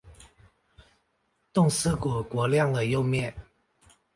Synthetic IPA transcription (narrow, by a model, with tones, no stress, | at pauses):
t̪ʊ˥˨ŋsɹ̩˥˩kwɔ˨˩kwɔ˨˧˥ljɑ˥˩ŋd̪ə˨˩jo˥˧ʊmjɛ˥˨n